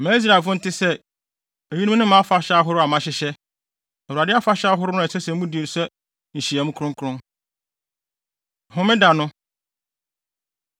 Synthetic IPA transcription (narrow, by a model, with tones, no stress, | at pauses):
mæ̃ː˨˦i˦s̬ɾa˨fʊ̃˦n̩˦tʰɪ˦sɛ˦ | e˨ji˦ĩ˦nʊ̃˦mã˨˦fa˦ɕa˦ɦʊ˦ɾʊ˦a˨mã˨ɕɪ˨˦ɕɛ˦ | ɛ˨wu˨ɾa˨dɪ˦a˦fa˦ɕa˦ɦʊ˦ɾʊ˦nʊ̃˦˨sɛ˦sɛ̃˨˦mũ˦di˨n̩˨sɛ˦ | n̩˨ɕi˨a˨mʊ̃˦kʰʊ̃˦ŋkʰɾʊ̃˦ŋ˨ | ɦʊ̃˦mɪ̃˦da˨nʊ̃˦